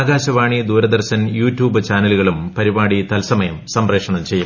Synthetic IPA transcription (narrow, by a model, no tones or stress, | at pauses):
ɡaːɕɐʋaːɳid̪uːɾɐd̪ɐrɕɐnjuːtjuːbɨt͡ɕaːnɐluɣɐɭumpɐɾibaːɽit̪ɐlsɐmɐjɐmsɐmre̞ːkʂɐɳɐmt͡ɕe̞jːum